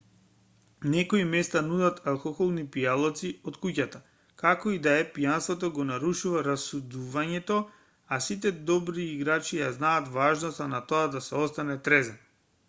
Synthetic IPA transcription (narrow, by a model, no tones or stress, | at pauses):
nɛkoimɛst̪anud̪at̪ʰalˠkɔxɔlˠnipialˠɔt̪siɔt̪kucat̪a | kakɔid̪aɛpijanst̪vɔt̪ɔɡɔnaɾuʃuvaɾasud̪uvaɲɛt̪ɔ | asit̪̬ɛd̪ɔbɾiːɡɾat͡ʃijaznaːt̪vaʒnɔst̪anat̪oad̪asɛɔst̪anɛt̪ɾɛzɛn